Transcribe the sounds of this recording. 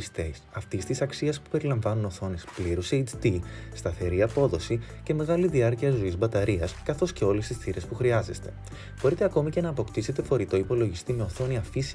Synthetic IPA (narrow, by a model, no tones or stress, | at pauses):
st̪esɐft̪ist̪isɐksiɐspu̥pe̞ɾilɐɱvɐnuno̞θo̞nespliɾused͡ʒt̪ist̪ɐθe̞ɾiɐpo̞ðo̞si | ce̞me̞ɣɐliðiɐɾciɐzo̞izbɐt̪ɐɾiɐskɐθo̞sce̞o̞lest̪isθiɾe̞spuxɾiɐze̞st̪e̞̥ | bo̞ɾit̪e̞ɐko̞mice̞nɐːpo̞kt̪ise̞t̪e̞fo̞ɾit̪o̞ipo̞lo̞ʝist̪ime̞o̞θo̞niɐfis